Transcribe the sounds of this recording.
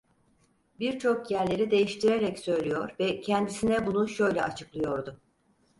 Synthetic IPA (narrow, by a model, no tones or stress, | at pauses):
biɾt͡ʃʰo̞kjæɾlʲe̞ɾid̪e̞jiʃt̪ʰiɾeɾɛcsø̞jlʲijo̞ɾvɛcʰɛnd̪isinɛbunuʃø̞jlʲɛ̰ʔat͡ʃʰɯklˠɯjo̞ɾd̪ʊ